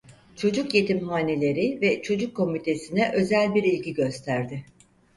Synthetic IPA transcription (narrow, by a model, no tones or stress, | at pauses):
t͡ʃʰo̞d͡ʒukje̞t̪imɦaːne̞lʲe̞ɾɪvɛt͡ʃʰo̞d͡ʒukʰːo̞mit̪ʰe̞sinɛʔø̞zælʲbiɾilʲɟiɟø̞st̪ʰæɾd̪ɪ